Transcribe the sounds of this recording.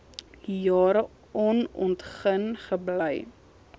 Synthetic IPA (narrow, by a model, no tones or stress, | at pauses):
jɑːɾə | ɔnɔntχənχəbləj